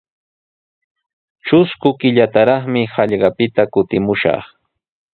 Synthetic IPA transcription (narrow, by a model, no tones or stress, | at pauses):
t͡ʃʊskʊkɪʎat̪aɾɑχmɪhɑʎɢɑpɪt̪akʊt̪ɪmʊʃɑ̰χ